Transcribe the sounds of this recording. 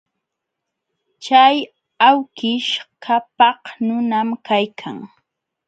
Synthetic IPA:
t͡ʃaj | awkɪʃkʰapɑhnʊnamkajkʰa̰ŋ

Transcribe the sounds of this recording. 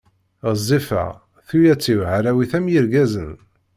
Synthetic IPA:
əzˤːifə̰ʁ | θujæt͡sːivʕaɾæwiθæmjiɾɡæzən

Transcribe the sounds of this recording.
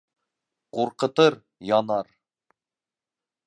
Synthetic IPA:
quɾqɤ̆t̪ɤɾ | jɒnɑɾ

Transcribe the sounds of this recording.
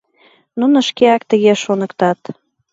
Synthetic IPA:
nunə̆ʃkeɑkt̪əɣeʃonə̆kt̪ɑt̪

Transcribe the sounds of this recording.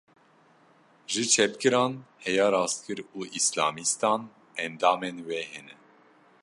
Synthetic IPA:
ʒɨt͡ʃʰɛpkɨɾɑːnhɛjɑːɾɑːst̪̚kʰɨɾuːʔislɑːmist̪ɑːn | ɛnd̪ɑːmɛnwɛhɛnɛ

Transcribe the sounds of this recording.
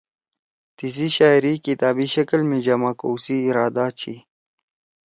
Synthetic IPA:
t̪is̬iɕaːiɾikit̪aːbiɕɐkəlmid͡ʑɐmaːkowsiːɾaːd̪at͡ɕʰḭ

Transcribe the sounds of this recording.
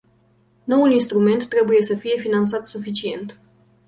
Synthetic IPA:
no̞wulinst̪ɾume̞nt̪ːɾe̞buje̞səfije̞finant̪sat̪sufit͡ʃie̞̰nt̪

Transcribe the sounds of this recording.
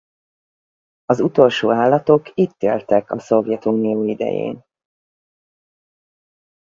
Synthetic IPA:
ɒzut̪o̞lʃoːaːlːɒt̪o̞kit̪ːeːlt̪ɛkɒso̞vjɛt̪uːnijoːid̪ɛ̰jḛːn

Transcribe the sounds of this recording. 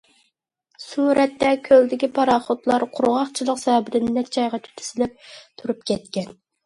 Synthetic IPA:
suɾɛt̪ːɛkʲʰøld̪ɪkʲipʰɑɾɑːχot̪lˠɑɾqʰʊɾʁɑχt͡ʃʰilˠəqsɛɛbɪɾɪnɪnɛk̪̚t͡ʃʰɑjʁɑt̪ʰy̥t̪ʰy̥z̥ɪlɪp̚t̪ʰuɾup̚kʲɛt̪kʲɛn

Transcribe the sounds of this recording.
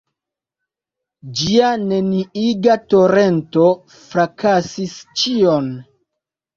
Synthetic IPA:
d͡ʒiane̞niiɡato̞ɾe̞nto̞ | fɾakʰasist͡ʃion

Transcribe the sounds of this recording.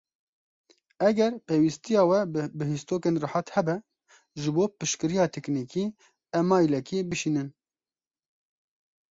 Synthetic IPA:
ɛɡɛɾpeːwist̪ijɑːwɛbɨɦist̪oːkeːnrɨħɑt̪hɛbɛ | ʒɨboːpɨʃkɨɾijɑːt̪ʰɛknikiː | ɛmɑːjilɛkibɨʃiːnɨn

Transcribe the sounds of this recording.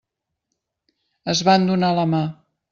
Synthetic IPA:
əzβand̪unaləma

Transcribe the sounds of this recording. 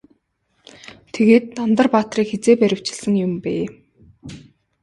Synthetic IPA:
t̪ʰeɣeːt̪ːant̪ə̆rpaːt̪riːkxet͡seːpæɾʲɪ̆w̥t͡ɕɪ̆ɮsə̆ŋjʊmpeː

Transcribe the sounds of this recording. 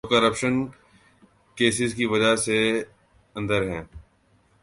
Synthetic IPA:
kɐɾəpʃən | keːsɪzkiʋɐd͡ʒase | ɐ̃nd̪əɾɦɛ̃ː

